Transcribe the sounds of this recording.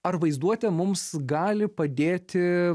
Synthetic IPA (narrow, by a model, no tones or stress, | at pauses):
ɐɾʋɐɪzd̪uɔt̪ʲɛmʊmsɡɑːlʲɪpɐd̪ʲeːt̪ʲɪ